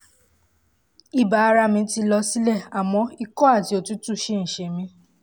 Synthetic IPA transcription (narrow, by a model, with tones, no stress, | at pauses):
i˦˨ba˨˧ɾa˧mĩ˧ti˧lɔ˧si˦lɛ˦˨a˨mɔ̃˧˦i˧kɔ˦a˦˨ti˨o˨tu˦tu˦˨ʃe˦˧n̩˨ʃe˨mĩ˧˦